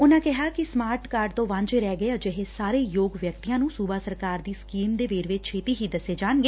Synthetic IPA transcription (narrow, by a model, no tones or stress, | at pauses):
ʊnãːkɪɦaːkɪsmaːɾʈkaːɾɖt̪õːʋãːɲd͡ʒeːɾɛːɡəjaːd͡ʒɪɦeːsaːɾeːjoːɡʋjəkt̪ijãːnũːsuːbaːsəɾkaːɾd̪iːskiːmd̪eːʋeːɾʋɪt͡ʃt͡ʃʰeːt̪iːɦiːd̪əseːd͡ʒaːɳɡeː